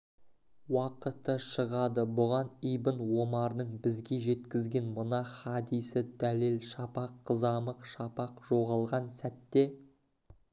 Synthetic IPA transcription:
wɑqət̪ːəʃəʁɑd̪əbʊʁɑnijbənwo̞mɑɾənəɴbɪzɡʲe̞ʒe̞t̪kʲɪzɡʲe̞nmʊnɑχɑd̪ijsɪd̪ælelʃɑpɑqʰːəzɑməqʃɑpɑqʒ̥o̞ʁɑlˠʁɑnsæt̪ːe̞

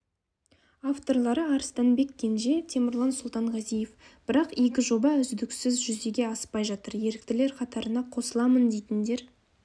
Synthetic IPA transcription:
aft̪o̞ɾlˠɑɾəɑɾəst̪ɑnbe̞kːʲe̞nʒe̞t̪ʰe̞mɪɾlˠɑnsʊlˠt̪ɑɴʁɑzije̞fb̥ɪɾɑqekʲɪʒo̞bɑʏzd̪ɪksɪzʒʏzd̪e̞ɡʲe̞ɑsə̥pɑjʒɑt̪əɾje̞ɾɪkt̪ɪle̞ɾqʰɑt̪ɑɾənɑqʰo̞səlˠɑmənd̪e̞jt̪ɪnd̪e̞ɾ

